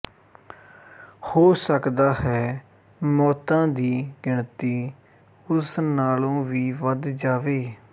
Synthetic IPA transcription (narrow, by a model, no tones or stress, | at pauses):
hoːsəkd̪aːhɛː | mɔːt̪ãːd̪iːɡɪɳt̪iː | ʊsnaːlõːʋiːʋəd̪d͡ʒaːʋeː